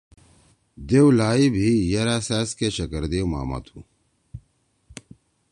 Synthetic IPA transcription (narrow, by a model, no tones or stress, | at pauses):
d̪ewlaːibʱijɐɾasaːskeɕɐkəɾd̪euma̰ːmɐ̰t̪ʰu